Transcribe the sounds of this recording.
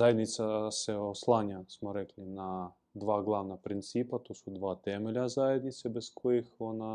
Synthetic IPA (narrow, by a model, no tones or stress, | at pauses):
zaed̪nit̪sasɛoslˠaɲʲasmoɾɛklina | d̪ʋaɡlˠaʋnapɾint̪sipat̪osud̪ʋat̪ɛmelʲazajed̪nit̪sɛbɛskʰojixona